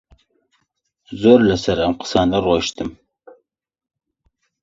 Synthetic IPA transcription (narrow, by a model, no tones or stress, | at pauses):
zorlɐsɐɾɐmqʰə̥saːnɐroʃt̪ʰɨm